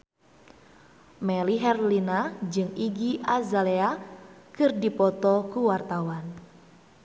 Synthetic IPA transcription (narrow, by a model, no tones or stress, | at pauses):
mɛliɦɛrlinad͡ʒɨŋiɡiʔazaleakɨrdipɔt̪ɔkuwart̪awan